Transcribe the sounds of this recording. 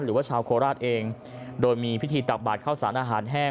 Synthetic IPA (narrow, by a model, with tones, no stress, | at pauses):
nɾɯː˩˦waː˥˩t͡ɕʰaː˧wkʰoː˧ɾaː˥˩t̪̚ʔeː˧ŋ | doː˧jmiː˧pʰi˦˥t̪ʰiː˧t̪a˨˩k̚baː˨˩t̪̚kʰaː˥˩wsaː˩˦nʔaː˧ɦaː˩˦nɦɛː˥˩